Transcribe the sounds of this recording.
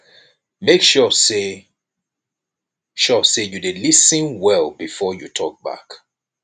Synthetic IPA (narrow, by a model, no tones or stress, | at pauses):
mekʃɔse | ʃɔsejudelisə̃nwɛlˠbifɔjutʰɔk̚ba̰k